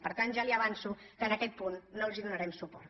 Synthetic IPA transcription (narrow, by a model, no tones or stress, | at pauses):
pəɾt̪anʒaliɐβansukənakɛt̪̚punːolˠziðunaɾɛmsupɔɾt̪